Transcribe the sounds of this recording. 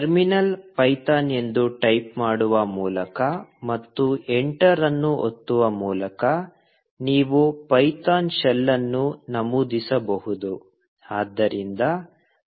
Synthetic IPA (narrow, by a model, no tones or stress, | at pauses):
ʈɐɾminɐlpɐjt̪aːne̞nd̪uʈɐjpmaːɽuʋɐmuːlɐkɐmɐt̪ːueɳʈɐɾɐnːuo̰t̪ːuʋɐmuːlɐkɐ | niːʋupɐjt̪aːnʃɛlːɐnːunɐmuːd̪isɐbɐhud̪u | aːd̪ːɐɾind̪ɐ